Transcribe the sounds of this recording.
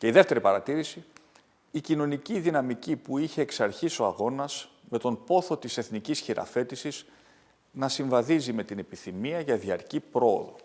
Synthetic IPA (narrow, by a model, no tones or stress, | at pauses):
ce̞iðe̞ft̪e̞ɾipɐɾɐt̪iɾisiː | cino̞niciðinɐmicipuiçe̞ːksɐɾçiso̞ɐɣo̞nɐs | me̞t̪o̞npo̞θo̞t̪ise̞θnicisçiɾɐ̰fe̞t̪isiz̥ | nɐsiɱvɐðizime̞t̪ine̞piθimiɐʝɐðiɐɾcipɾo̞o̰ðo̞̰